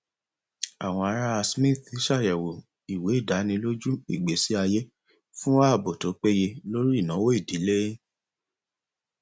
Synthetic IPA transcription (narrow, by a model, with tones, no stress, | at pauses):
a˨w̃ɔ̃˧a˧ɾa˦a˧smĩ˦˨θi˨˦ʃa˦˨jɛ˨wo˨ | i˨we˨˦i˦˨da˨˦nĩ˧lo˦d͡ʒu˦ḭ˦˨ɡ͡be˨˦si˨˦a˧je˦ | fũ˦a˦˨bo˨to˨˦k͡pe˦je˧lo˦ɾi˦˨nã˨˦wo˦i˦˨di˨˦le˦